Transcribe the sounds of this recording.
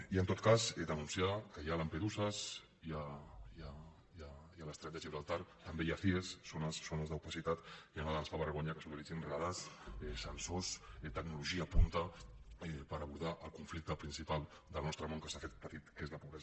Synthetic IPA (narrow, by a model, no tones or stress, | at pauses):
iənt̪ot̪̚kazed̪ənunsiakəjalampeðuzəs | iaa | jajaləst̪ɾət̪ɛʒiβɾalˠt̪aɾt̪əmbejafiesːonəsːonəzðəwpəsit̪at̪ianaðazfaβəɾɣ̞oɲakəsoniiʒinraðasɛsənsosɛt̪əɡnuluʒiaːpunt̪əepəɾəβuɾð̞aʔəlˠkuɱflik̚t̪əpɾinsipalˠ | d̪əlˠnɔst̪ɾəmoŋkəsafet̪̚pət̪it̪kezləpuβɾɛz